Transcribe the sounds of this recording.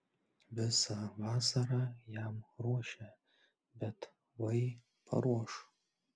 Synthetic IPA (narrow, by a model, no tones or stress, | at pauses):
bɨsavasarajaːmroʃa | batʰ | waj | pʰa̰ɾwɔʂ